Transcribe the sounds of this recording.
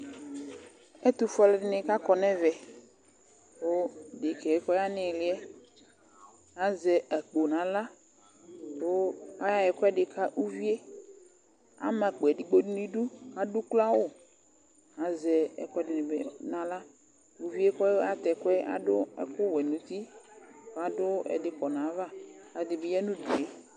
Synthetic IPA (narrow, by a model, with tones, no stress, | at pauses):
ɛ˦t̪u˨fɔ˦lɪ˦dɪ˦nɪ̃˨ka˦kɔ˨nɛ̃˦vɛ˨ | wo˦dɪ˨kɛ˨ɛ˦kɔ˦ja˦nɪ̃˨lɪ˦ɛ˦ | a˨zɛ˨ɛ˨k͡po˨nã˨la˦ | wo˦a˦ja˦ɛ˨kʷɛ˦ɖɪ˨ka˦ʔu˦vi˦e˦ | a̰˦mã˨k͡po˨ɛ˨di˨ɡ͡bo˦nu˦nĩ˦ɖu˦a˨dʊ˦kla˦wo˦˨ | a˨zɛ˨ɛ̰˨kɔ˦ɛ˦dɪ˨nɪ̃˨bḛ˨nã˨la˦ | u˨vi˦e˦kɔ˦o˦a˦t̪ɛ˨kʊ˦ɛ˦a̰˦dʊ˦ɛ̰˦kʊ˦wɛ˨nũ˨˦t̪i˦ka˨dʊ˦ɛ̰˨dɪ˨kɔ˨nã˨˦va˦a˨dɪ˨bɪ˦jɛ˦nũ˦du˨e˦